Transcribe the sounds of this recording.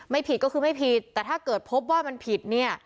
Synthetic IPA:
ma˥˩jpʰi˨˩t̪̚kɔ˥˩kʰɯː˧ma˥˩jpʰi˨˩t̪ːɛː˨˩t̪ʰaː˥˩kɤː˨˩t̪̚pʰo˦˥p̚waː˥˩ma˧npʰi˨˩t̪̚ni˥˩ɐ

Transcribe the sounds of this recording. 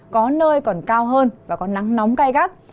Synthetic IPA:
kɔ˨˦nəː˧jkɔ˨˩nkaː˧wɦəː˧nvaː˨˩kɔ˨˦na˨˦ŋnɔ˨˦wŋ͡mka˧jɣa˦˥k̚

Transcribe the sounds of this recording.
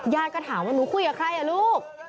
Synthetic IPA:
jaː˧kɔː˧˩t̪ʰaː˩˦mwa˧nuː˨˦˥kʰuː˥˩ka˨˩kʰɾa˧˩jʔa˨˩luː˥˩k̚

